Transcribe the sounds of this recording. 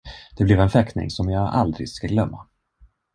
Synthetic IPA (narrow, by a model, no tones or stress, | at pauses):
d̪̥ɛblɛvɛnfɛknɪ̰ŋsɔmjɑːʔa̰ld̪ɾɪ̰ɡskaɡlœmːa̰